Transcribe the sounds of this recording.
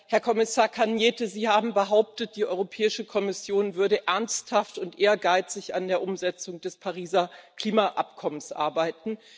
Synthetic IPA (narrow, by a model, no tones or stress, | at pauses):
hɛɐkʰɔmɪsaːɐkʰanjɛːtəziːhaːbm̩bəɦaʊp̚tət̚d̥iːʔɔʏʁopʰɛːɪʃəkʰɔmɪsjoːnvʏɐɾəʔɛɐnsthaftʊntʔeːɐɡaɪt͡sɪça̰ndeːɐʔʊmzɛt͡sʊŋdɛspʰaʁiːzɐkl̥iːmaʔa̰pkʰɔmənsʔa̰ɐbaɪtn̩